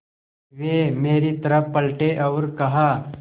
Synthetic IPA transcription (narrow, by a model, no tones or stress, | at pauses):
ʋeːmeːɾit̪ɐɾəfpɐlʈeʔɐʋɾkɐɦaː